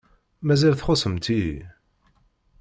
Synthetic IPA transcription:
mæzælθχʊsəmt̪i

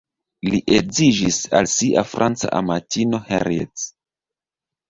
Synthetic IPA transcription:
liʔezid͡ʒisa̰lsiʔafɾʔant͡sa̰ʔamatino̞hḛɾiḛt͡s

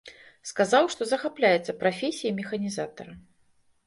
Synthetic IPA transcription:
skazawʂt̪ɔzɐxaplʲajɛt̪sɐpɾafʲesʲijɐmʲɛxɐnʲizat̪ɐ̰ɾɐ

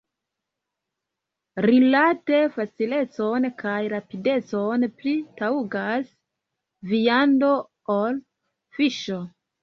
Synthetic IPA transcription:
ɾilate̞fat͡sile̞t͡so̞nkajɾapide̞t͡so̞nplitauɡas | vijando̞ | ol | fiʃo̞

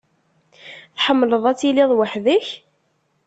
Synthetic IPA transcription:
θħəmːləðˤæt͡sːilɪðˤwaħðəç

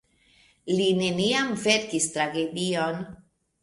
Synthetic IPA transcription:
line̞niamve̞ɾkist̪ɾaɡe̞dion

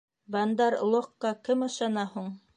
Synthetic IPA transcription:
bɑnd̪ɑɾlˠoqːɑkɘmɤ̆ʃɑnɑhuɴ

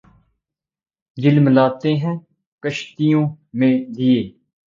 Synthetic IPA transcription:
d͡ʒɪlmlaːt̪eːɦɛ̃ː | kəʃt̪ijõː | mẽːd͡ʒɪeː

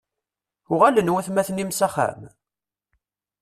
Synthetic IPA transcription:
ʊʁalənwæθmæθənimsæχa̰m

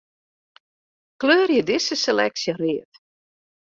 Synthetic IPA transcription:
kløːrjədɪsəselɛ̰ksjəriət

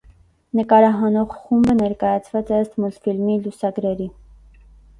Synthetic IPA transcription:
nəkɑɾɑɦɑnɔʁχumbənɛɾkɑjɑt͡sʰvɑt͡sɛəst̪mult̪filmilusɑɡɾɛɾi

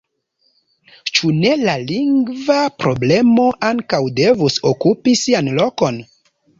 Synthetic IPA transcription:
t͡ʃune̞laliŋɡvapɾo̞ble̞mo̞ʔaŋkawde̞vusokupisianlo̞ko̞n

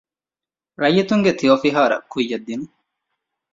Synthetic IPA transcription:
ɾɐjːɐt̪uŋɡet̪ʰijoːfiɦaːɾɐ̰kʰːujːɐd̪ːinu

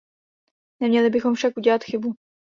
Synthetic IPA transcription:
nɛmɲɛlɪbɪxo̞mfʃakʔuɟɛlat̪xɪbu

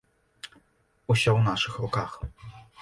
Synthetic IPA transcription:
uɕsʲɔwnaʂɨxrɔkax

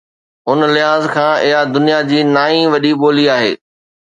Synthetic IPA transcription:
ʊnlɪaːzkʰãːʔɪɦad̪ʊnijad͡ʑiːnaːĩʋɐɗiɓoːliaːɦḛː

